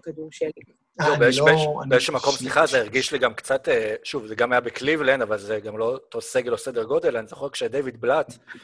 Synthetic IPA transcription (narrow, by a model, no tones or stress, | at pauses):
kad̪uʃi | lobeeʃbeʃbeeʃemako̞msliχazeiʁɡiʃliɡamkt͡sateʃuvzeɡamajabeklivlendavalzeɡamlo̞toseɡelosedeʁɡod̪elanzeχekʃed̪ejvid̪̚blat̪